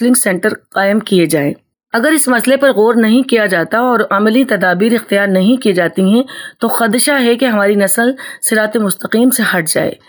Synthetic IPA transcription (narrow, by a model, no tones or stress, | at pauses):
lɪ̃ŋɡsɛ̃ːɳʈəɾqaːɪmkied͡ʒaːḛ̃ː | ɐɡəɾɪsmɐslepɐɾɣoːɾnɐɦĩkijad͡ʒaːt̪aɔːɾɐmlit̪ɐd̪aːbiːɾɪxt̪ɪjaːɾnɐɦĩkied͡ʒaːt̪iɦɛ̃t̪oxɐd̪ʃaɦɛkeɦɐmaːɾinɐsəlsɪɾaːt̪emʊst̪əqiːmsehɐʈ̚ʰd͡ʒa̰ːḛː